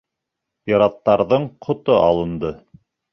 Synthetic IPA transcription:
pʲiɾɑt̪ːɑɾðɤɴqʰŏt̪oʔɑ̰lˠɤ̆nd̪ɤ

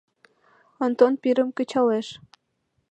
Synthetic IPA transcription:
ont̪onpiɾəmkə̆t͡ɕɑleʃ

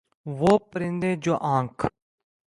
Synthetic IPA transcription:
ʋoːpəɾɪ̃nd̪ẽːd͡ʒoːʔãːŋkʰ

